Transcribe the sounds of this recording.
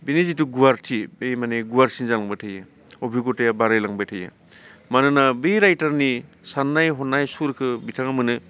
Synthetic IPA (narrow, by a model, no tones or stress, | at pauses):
binizituɡuwaɾtʰibejmaneɡuaɾsinzalaŋbatʰaja | obʱiɡotajabaɾajlaŋbajtʰaja̰ | manɯnabejɾajtaɾni | sanːajɦɔnajsuɾkʰɯbitʰaŋamɯnɯ